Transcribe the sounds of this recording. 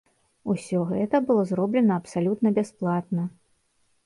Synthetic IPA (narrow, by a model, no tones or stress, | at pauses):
usʲɔɣɛt̪ɐbɨlˠɔzɾɔblʲɛnɐːpsalʲut̪nɐbʲasplˠat̪nɐ